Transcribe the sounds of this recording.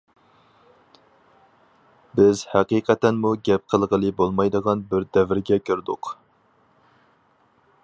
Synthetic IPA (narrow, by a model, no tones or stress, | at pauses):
bɪzhæqiqʰɛt̪ɛnmuɡʲɛp̚qʰəlˠʁəlˠɨbolˠmɑjd̪əʁɑnbɪɾd̪ɛvɪɾɡʲɛkʲʰøɾd̪ʊq